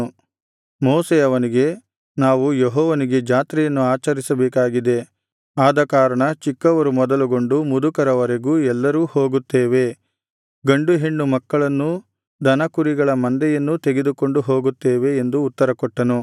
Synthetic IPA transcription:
moːsɛjɐʋɐniɡe̞ | naːʋujeɦɔːʋɐniɡe̞d͡ʒaːt̪ɾɛjɐnːuaːt͡ʃɐɾisɐbɛːkaːɡid̪e̞ | aːd̪ɐkaːɾɐɳɐt͡ʃikːɐʋɐɾumɔd̪ɐluɡo̞ɳɖumud̪ukɐɾɐʋɐɾeɡuːɛlːɐɾuːho̞ːɡut̪ːeːʋe̞ | ɡɐɳɖuɦiɳːumɐkːɐɭɐnːu | d̪ʱɐnɐkuɾiɡɐɭɐmɐnd̪ɛjɐnːut̪eɡe̞d̪uko̞ɳɖuɦoːɡut̪ːeːʋe̞ːnd̪uːt̪ːɐɾɐkɔʈːɐnu

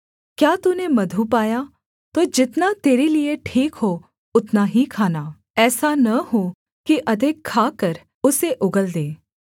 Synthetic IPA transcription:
kjaːt̪unemɐd̪ʱupaːja | t̪od͡ʒɪt̪nat̪eːɾilieʈʰiːkɦo | ʊt̪naɦikʰaːnaː | ɛːsanɐɦo | kiʔɐd̪ʱɪkʰːaːkəɾ | ʊseʔʊɡəld̪eː

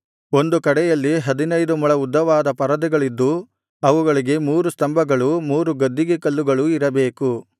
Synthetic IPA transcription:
o̞nd̪ukɐɽɛjɐlːiɦɐd̪inɐjd̪umɐɭɐud̪ːɐʋaːd̪ɐpɐɾɐd̪ɛɡɐɭid̪ːu | ɐʋuɡɐɭiɡe̞muːɾust̪ɐmbʱɐɡɐɭumuːɾuɡɐd̪ːiɡekɐlːuɡɐɭuiɾɐbe̞ːku

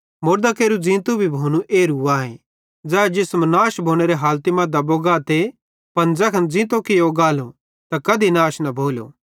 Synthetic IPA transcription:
moːɾd̪akeːɾud͡zĩːt̪obʱibʱoːnũʔeːɾuaːḛ̃ | d͡zɛːd͡ʒɪsmnaːʃbʱoːñeɾeɦaːlt̪imɐ̃d̪aboɡaːt̪e | pɐnd͡zɛkʰɐnd͡zĩːt̪okɪjoɡaːlõ | t̪akɐd̪ʱinaːʃnɐbʱoːlo̰

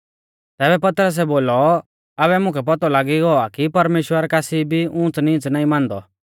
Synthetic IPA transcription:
t̪ɛːbɛpɐt̪ɾəs̬ɛboːlɔ | aβɛmʊ̃kʰɛp̬ɔt̪ɔlaːɡiɡɔakipɐɾmeːʃwəɾɛkaːsibʱiʊ̃t͡snĩt͡snaːĩmãːnd̪ɔ

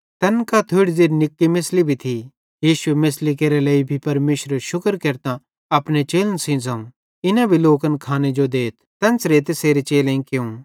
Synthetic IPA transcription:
t̪ɐnkat̪ʰoɪɽzeːɾnɪkːimɪslibʱit̪ʰi | jiːʃʊemɪslikeːɾelɐːibʱipɐɾmeːʃɾəʃʊkəɾkɐɾt̪a | ɐpnet͡ʃeːlənsĩd͡zɐ̃ũ | ɪnabʱiloːkənkʰaːned͡ʒod̪eːt̪ʰt̪ɐnt͡sɾeːt̪eseːɾet͡ʃeːlẽĩkeũ

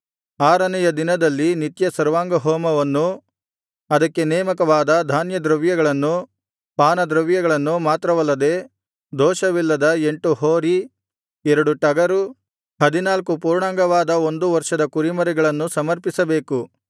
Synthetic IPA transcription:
aːɾɐnɛjɐd̪inɐd̪ɐlːinit̪jɐsɐɾʋaːŋɡɐɦɔːmɐʋɐnːu | ɐd̪ɐkːe̞nɛːmɐkɐʋaːd̪ɐd̪ʱaːnjɐd̪ɾɐʋjɐɡɐɭɐnːu | paːnɐd̪ɾɐʋjɐɡɐɭɐnːumaːt̪ɾɐʋɐlːɐd̪e̞ | d̪ʱɔːʃɐʋilːɐd̪ɐeɳʈuɦoːɾi | ɛɾɐɽuʈɐɡɐɾu | hɐd̪inaːlkupuːɾɳaːŋɡɐʋaːd̪ɐo̞nd̪uʋɐɾʂɐd̪ɐkuɾimɐɾɛɡɐɭɐnːusɐmɐɾpisɐbe̞ːku

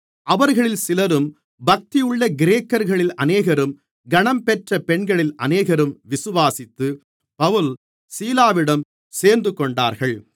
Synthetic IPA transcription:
ʔɐʋɐɾɣɐɭɪlsɪlɐɾɯm | bɐk̚t̪ɪjɯɭːɐɡɪɾeːkːɐɾɣɐɭɪlɐneːɣɐɾɯm | ɡɐɳɐmpɛʈrɐpɛɳɡɐɭɪlɐ̰neːɣɐɾɯmʋɪsɯʋaːsɪt̪ːɯ | pɐʋɯl | siːlaːʋɪɽɐm | seːɾnd̪ɯkɔɳɖaːɾɣɐɭ

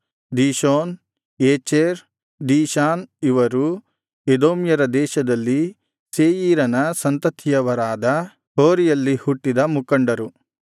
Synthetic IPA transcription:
d̪iːʃoːn | eːt͡ʃeɾ | d̪iːʃaːniʋɐɾu | ed̪oːmjɐɾɐd̪ɛːʃɐd̪ɐlːi | seːjiːɾɐnɐsɐnt̪ɐt̪ʰijɐʋɐɾaːd̪ɐ | hoːɾijɐlːihuʈːid̪ɐmukɐɳɖɐɾu

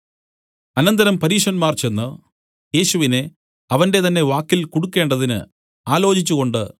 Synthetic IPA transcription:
ɐnɐnd̪ɐɾɐmpɐɾiːʂɐnmaːrt͡ɕe̞nːu | je̞ːɕuʋine̞ | ɐʋɐnde̞t̪ɐnːe̞ʋaːkːilkoɽukːe̞ːɳɖɐðinɨ̰ | aːlo̞ːt͡ɕit͡ɕːuɣo̞ɳɖɨ

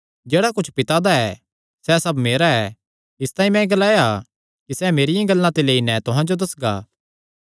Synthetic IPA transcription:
d͡ʒeːɽakʊt͡ʃʰpɪt̪ad̪aɛ | sɛsɐbmeːɾaɛ | ɪst̪aːĩmɛ̃ɡɐlaːja | kisɛmeːɾɪjãɡɐlːãt̪eleːinɛ̃t̪ʊɦãd͡ʒod̪ɐsɡa̰ː

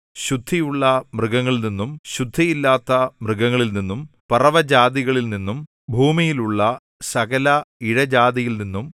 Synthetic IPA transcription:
ɕud̪ʱːijuɭːɐmrɨɣɐŋːɐɭilninːumɕud̪ʱːijilːaːt̪ːɐmrɨɡɐŋːɐɭilninːumpɐrɐʋɐd͡ʑaːðiɣɐɭilninːum | bʱuːmijiluɭːɐ | sɐɣɐlɐiɻɐd͡ʑaːðijilninːum

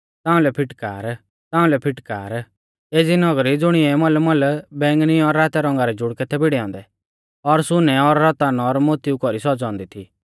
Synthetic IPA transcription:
t̪ãːũlɛpʰɪʈka̰ːɾ | t̪ãːũlɛpʰɪʈka̰ːɾ | eːd͡zinɔɡɾid͡zʊɽ̃iɛmɔlmɔlbɛ̃ːŋɡniɔɾːaːt̪ɛɾɔ̃ŋɡaɾɛd͡ʒʊɽkɛt̪ʰɛbɪɽɛɔ̃ːnd̪ɛ | ɔɾsʊnɛɔɾːɔt̪anɔɾmot̪iukɔɾisɔd͡zɔ̃ːnd̪it̪ʰiː

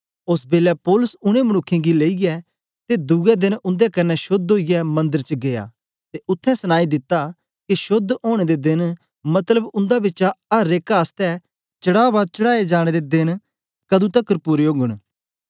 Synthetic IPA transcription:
ʊsbeːlɛpɔːlʊsʊɽ̃ẽmɐnʊkʰːẽːɡileːiɡɛ | t̪ed̪ʊɡɛd̪ɪnʊ̃nd̪ekɐnːɛʃʊd̪ɦoːijɛmɐ̃nd̪əɾt͡ʃəɡeja̰ː | t̪eʔʊt̪ʰːɛ̃səñaːid̪ɪt̪ːa | kiʃʊd̪oːɽ̃eːd̪ed̪ɪn | mɐt̪ləbʊ̃nd̪abɪt͡ʃaɐɾeːkaːst̪ɛ | t͡ʃəɽaːʋat͡ʃəɽaːed͡ʒaːɽ̃ed̪ed̪ɪn | kɐd̪ũt̪əkːəɾpʊɾeoːɡəɽ̃

